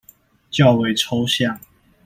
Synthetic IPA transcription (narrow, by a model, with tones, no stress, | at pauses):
t͡ɕjɑ˥˨ʊwe˨˩ɪʈ͡ʂʰo˦ʊɕjɑ˥˨ŋ